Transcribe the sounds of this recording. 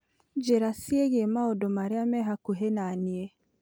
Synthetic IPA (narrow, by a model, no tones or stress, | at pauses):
d͡ʒeɾasieɣemaodomaɾeamɛɦakuɦenanie